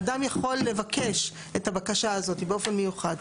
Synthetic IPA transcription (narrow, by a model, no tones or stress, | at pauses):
damjaχo̞lːe̞vake̞ʃ | etabakaʃaazo̞t̪ibeo̞fe̞nmejuχad̪